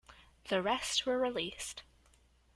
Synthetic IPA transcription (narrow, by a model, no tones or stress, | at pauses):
ðəɹɛstwə˞ɹɪlˠist